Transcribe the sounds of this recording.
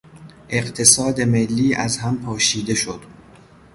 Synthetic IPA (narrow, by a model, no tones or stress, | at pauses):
ʔe̞ɢt̪ʰe̞sɒːd̪e̞me̞lːiːʔæzɦæmpʰɒːʃiːd̪e̞ʃod̪̥